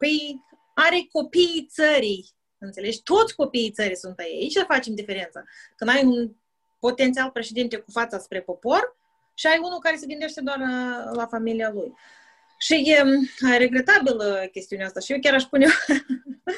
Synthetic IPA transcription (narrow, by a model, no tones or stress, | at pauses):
pəj | aɾeko̞piːt̪səɾij | ɨnt̪se̞le̞d͡ʒʲt̪o̞t̪sʲko̞pijijt̪səɾijsunt̪ajejait͡ʃʲsəfat͡ʃe̞md̪ife̞ɾe̞nt̪sakɨnd̪ajun | po̞t̪ent̪ialpɾe̞ʃe̞d̪int̪ekufat̪saspɾe̞po̞po̞r | ʃiajunukaɾe̞seɡɨnd̪e̞ʃt̪e̞d̪oarlafamilialuj | ʃijɾe̞ɡɾe̞t̪abiləkʲe̞st̪iuneast̪aʃijewkʲaɾaʃspunew